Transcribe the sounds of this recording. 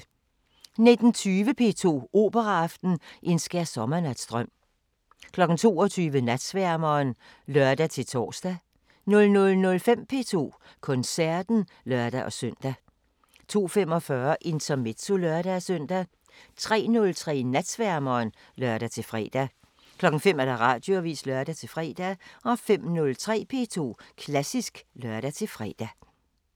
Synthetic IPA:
ne̝d̥n̩t͡sʰyːʋəpʰe̝̰ːt͡sʰo̝̰ːo̝ːb̥əʁɑɑ̈fd̥n̩ʔe̝nsɡ̥æɐsɒ̽mɐnæd̥sd̥ʁɶm̰ | kʰlɒ̽ɡ̥n̩t͡sʰo̝̰ːɒt͡sʰyːʋənæd̥sʋæɐmɐːn | lɶɐd̥æt͡sʰe̝lt͡sʰɒ̰ːsd̥æ | nɔ̽lnɔ̽lnɔ̽lfem̰pʰe̝ːt͡sʰo̝̰ː | kʰɔ̽nsæɐ̰d̥n̩ | lɶɐd̥æʔɒ̽søn̰d̥æ | t͡sʰo̝̰ːfem̰ɒ̽fɶɐʔe̝nt͡sʰɐme̝d̥so̝lɶɐɾ̥æsøn̰d̥æ | t͡sʰʁɛ̰ːnɔ̽lt͡sʰʁɛ̰ːnæd̥sʋæɐmɐːn | lɶɐɾ̥æt͡sʰe̝fʁɛ̰ːd̥æ | kʰlɒ̽ɡ̥ŋ̩fem̰ædæʁɑ̈d̥joʋḭːslɶɐɾ̥æt͡sʰe̝lfʁɛ̰ːd̥æɒ̽fem̰nɔ̽lt͡sʰʁɛ̰ːpʰe̝̰ːt͡sʰo̝̰ːkʰlæsisɡ̥lœɐ̰ɾ̥æt͡sʰe̝lfʁɛ̰ːd̥æ

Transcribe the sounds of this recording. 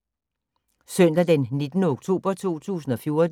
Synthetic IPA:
sœn̰d̥æd̥enːe̝d̥nəoɡ̥̚t͡sʰo̝̰ːb̥ɐt͡sʰo̝̰ːt͡sʰṵːsn̩ɒ̽fjo̝ɐd̥

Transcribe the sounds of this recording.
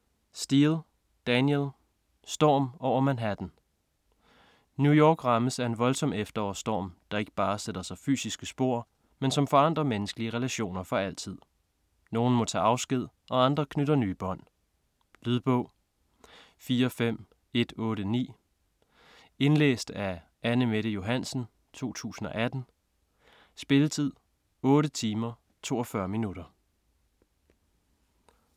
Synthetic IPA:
sd̥il̩ˠ | d̥ænjelˠ | sd̥ɒːmɒɒmænɦæɐd̥en | njujɒːɡ̥ʁɑ̈məsæɐe̝nʋɒ̽lsɒ̽m̰efd̥ɐɒ̰ːsd̥ɒ̰ːmd̥ɑ̈e̝ɡ̥əb̥ɑ̈ːseɾ̥ɐsɑ̈ɪfy̰ːsisɡ̥əsb̥o̝ɐ̰ | mensɒ̽mfɒ̽ɑ̈n̰d̥ʁɐmenəsɡ̥əliəʁɛlæɕo̝̰ːnɐfɒ̽æl̰t͡sʰið̰ˠ | no̝ːn̩mɒ̽t͡sʰɛ̰ːɑ̈ʊsɡ̥ið̞̰ˠ | ʔɒ̽ɑ̈nd̥ʁɐkʰnøɾɐnyːb̥ɒ̽n̰ | lyðˠb̥ɔ̽ʊ̰ | fiːɐɒfem̰ | e̝d̥ɔ̽ːɾənḭː | e̝nlḛːsd̥æ | ænəmeɾəjo̝ɦæn̰sn̩ | t͡sʰo̝̰ːt͡sʰṵːsn̩ɒ̽ʔæd̥n̩ | sb̥e̝lət͡sʰið̰ˠ | ɔ̽ːɾət͡sʰiːmɐ | t͡sʰo̝̰ːɒ̽fɶɐminuɾ̥ɐ

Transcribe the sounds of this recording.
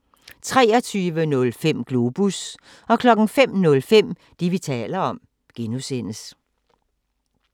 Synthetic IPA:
t͡sʰʁɛːɒt͡sʰyːʋənɔ̽lfem̰ɡ̥lo̝ːb̥us | ɒ̽kʰlɒ̽ɡ̥ŋ̩fem̰nɔ̽lfem̰ | d̥iʋit͡sʰɛ̰ːlɐɒ̽m | ɡ̥enusen̰əs

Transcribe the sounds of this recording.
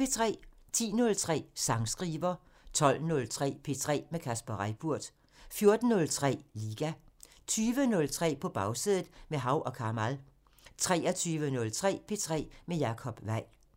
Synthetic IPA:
pe̝t͡sʰʁɛ̰ːt͡sʰḭːnɔ̽lt͡sʰʁɛ̰ːsɑ̈ŋsɡ̥ʁiːʋɐ | t͡sʰɒ̽l̰nɔlt͡sʰʁɛ̰ːpʰe̝t͡sʰʁɛ̰ːmekʰæsb̥ɐʁaɪ̰b̥uɐ̰d̥ | fjo̝ɐd̥n̩nɔ̽lt͡sʰʁɛ̰ːliːɡ̥æ | t͡sʰyːʋənɔ̽lt͡sʰʁɛ̰ːpʰɒ̽b̥ɑ̈ʊsiðˠð̩ˠmeɦɑ̈ʊ̰ʔɒ̽kʰɑ̈mæl | t͡sʰʁɛ̰ːɒt͡sʰyːʋənɔ̽lt͡sʰʁɛ̰ːpʰe̝t͡sʰʁɛ̰ːmejɑ̈kʰɒ̽b̥ʋæɪ̰

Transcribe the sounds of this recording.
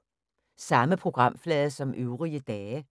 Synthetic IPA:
sɑ̈məpʰʁo̝ɡ̥ʁɑ̈m̰flɛːðˠsɒ̽mʔøʊʁiəd̥ɛːə

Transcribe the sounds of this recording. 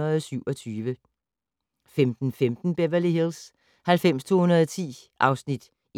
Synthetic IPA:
ɐðˠsyʊɒ̽t͡sʰyːʋə | femd̥n̩femd̥n̩b̥eʋæliɦils | hælfem̰st͡sʰo̝̰ːhunɐðˠt͡sʰḭːʔɑ̈ʊsnid̥

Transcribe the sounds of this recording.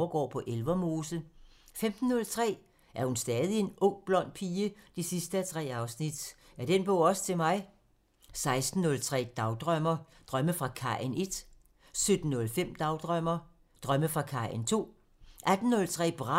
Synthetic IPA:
ɐɡ̥ɒ̰ːpʰɒ̽ʔelʋɐmo̝ːsl̩femd̥n̩ːɔ̽lt͡sʰʁɛ̰ː | ʔæɐhunsd̥ɛːð̞ˠie̝nɔ̽ŋ̰b̥lɒ̽n̰pʰiːəd̥isisd̥əæt͡sʰʁɛ̰ːɑ̈ʊsnid̥ | æɐd̥enb̥ɔ̰ʊ̰ɒ̽sə̥t͡sʰe̝mɑ̈ɪ | sɑ̈ɪsd̥n̩ːɔ̽lt͡sʰʁɛ̰ːd̥ɑ̈ʊd̥ʁœmɐ | d̥ʁɶməfʁɑ̈kʰɑ̰̈ʔene̝d̥ | sød̥n̩ːɔ̽lfem̰d̥ɑ̈ʊd̥ʁœm̰ɐ | d̥ʁɶməfʁɑ̈kʰɑ̈ent͡sʰo̝̰ː | ʔæd̥n̩ːɔ̽lt͡sʰʁɛ̰ːb̥ʁɑ

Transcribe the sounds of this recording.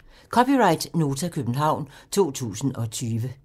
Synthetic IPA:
kʰɒ̽piʁɑ̈ɪ̰d̥no̝ːt͡sʰækʰøb̥n̩ɦɑ̈ʊ̰nt͡sʰo̝̰ːt͡sʰṵːsn̩ɒ̽t͡sʰyːʋə

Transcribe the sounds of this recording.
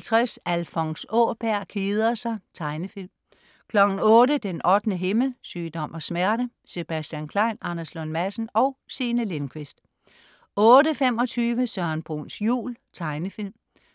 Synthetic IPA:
t͡sʰʁɛfsælfɒ̽ŋsɔːb̥æɐ̰kʰiːð̞ˠɐsɑ̈ɪt͡sʰɑ̈ɪnəfilm | kʰlɒ̽ɡ̥n̩ɔ̽ːɾəd̥enɒ̽d̥nəɦeməsyːd̥ɒ̽mʔɒ̽smæɐ̰ɾ̥ə | se̝b̥æsd̥jænkʰlɑ̈ɪnɑ̈nɐslɔ̽nmæsn̩ɒ̽ʊsiːnəle̝nkʰʋe̝sd̥ | ɔ̽ːɾəfem̰ɒ̽t͡sʰyːʋəsɶɐnb̥ʁṵːnsjṵːlt͡sʰɑ̈ɪnəfil̰m

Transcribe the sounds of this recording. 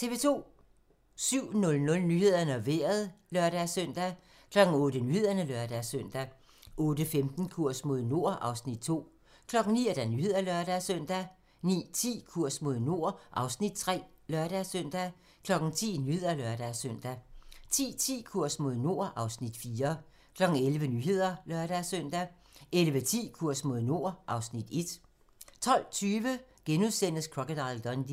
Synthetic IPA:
t͡sʰe̝ʋe̝ːt͡sʰo̝̰ː | syʊ̰nɔ̽lnɔ̽lnyhe̝ð̰ˠɐnəɒʋeɐð̞ˠlœɐɾ̥æsœn̰d̥æ | kʰlɒ̽ɡ̥ŋ̩ɔ̽ːd̥ənyhe̝ðˠɐnəlœɐd̥æsøn̰d̥æ | ʔɔ̽ːd̥əfemd̥n̩kʰuɐ̰smo̝ðˠno̝ɐ̰ʔɑ̈ʊsnid̥̚t͡sʰo̝̰ː | kʰlɒ̽ɡ̥ŋ̩nḭːed̥ænyhe̝ð̰ˠɐlɶɐɾ̥æsøn̰d̥æ | nḭːt͡sʰḭːkʰuɐ̰smo̝ð̞ˠno̝ɐ̰ʔɑ̈ʊsnid̥̚t͡sʰʁɛ̰ːlœɐɾ̥ɛsœn̰d̥æ | kʰlɒ̽ɡ̥n̩t͡sʰḭːnyhe̝ð̰ˠɐlœɐɾ̥æsøn̰d̥æt͡sʰḭːt͡sʰḭːkʰuɐ̰smo̝ðˠno̝ɐʔɑ̈ʊsnid̥fiːɐ | kʰlɒ̽ɡ̥ŋ̩elʋənyɦe̝ð̞̰ˠɐlœɐɾæsøn̰d̥æ | elʋət͡sʰḭːkʰuɐ̰smo̝ð̞̰ˠno̝ɐʔɑ̈ʊsnid̥e̝d̥ | t͡sʰɒ̽l̰t͡sʰyːʋəɡ̥enuðˠsen̰əskʰʁɒ̽ɡ̥əd̥ɑ̈ɪld̥ɒnd̥i

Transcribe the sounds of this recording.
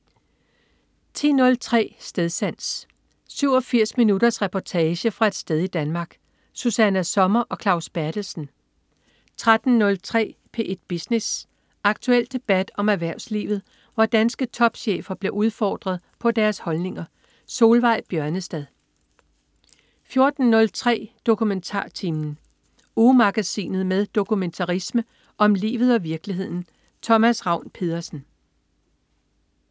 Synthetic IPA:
t͡sʰḭːnɔ̽lt͡sʰʁɛ̰ːsd̥eð̞ˠsæn̰s | syʊ̰ɒ̽fiɐ̰sminudɐsʁɛpʰɒt͡sʰɛːɕəfʁɑ̈e̝d̥sd̥eð̞ˠid̥ænmɑ̈ːɡ̥ | susænæsɒ̽mɐʔɒ̽kʰlɑ̈ʊsb̥æɐd̥l̩sn̩ | t͡sʰʁad̥n̩ːɔ̽lt͡sʰʁɛ̰ːpʰe̝ʔd̥̚b̥isnes | ɑ̈ɡ̥t͡sʰuel̰d̥e̝b̥æd̥ɒ̽mæʋæɐ̰ʊslḭːʋð̞̩ˠ | ʋɑd̥ænsɡ̥ət͡sʰɒ̽b̥ɕḛːfɐb̥le̝ʔuð̞ˠfɒ̰ːd̥ʁɐð̞̩ˠpʰɒ̽d̥æɐshɒ̽lne̝ŋɐ | so̝ːlʋɑ̈ɪ̰b̥jɶɐnəsd̥ɛð̞ˠ | fjo̝ɐd̥n̩ːɔ̽lt͡sʰʁɛ̰ːd̥o̝kʰument͡sʰɑ̰̈ːt͡sʰimn̩ | umɑ̈ɡ̥æsḭːnð̞̩ˠmeðˠd̥o̝kʰument͡sʰɑʁismə | ʔɒ̽mlḭːʋð̩ˠɒ̽ʋiɐɡ̥liɦe̝ð̞̰ˠn̩ | t͡sʰɒ̽mæsʁɑ̈ʊ̰npʰe̝ðˠɐsn̩

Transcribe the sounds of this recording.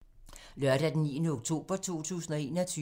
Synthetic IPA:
lɶɐɾ̥æd̥enḭːnəoɡ̥̚t͡sʰo̝̰ːb̥ɐt͡sʰo̝̰ːt͡sʰṵːsn̩ɒe̝ːnɒt͡sʰyː

